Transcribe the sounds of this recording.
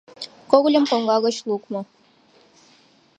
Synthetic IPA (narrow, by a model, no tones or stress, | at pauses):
koɣlʲɤ̆mkoŋɡɑɣɤ̆ɕlˠukmɤ̆